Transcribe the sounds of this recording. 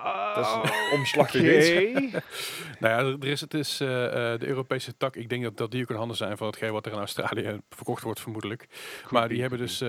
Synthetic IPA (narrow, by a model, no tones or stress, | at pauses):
dɔmslɑx | nojadədərɪsətɪsdəʔøːropejsətɑkɪɡ̚dɛŋk̚ddɑt̚diokənɦɑndəzɛjnvɑnətxəɪlˠʋɑtərɪnawstra̰ːlijəvərkɔxtʋɔɹtfərmudələkmaːɹdiɦɛbəndɵs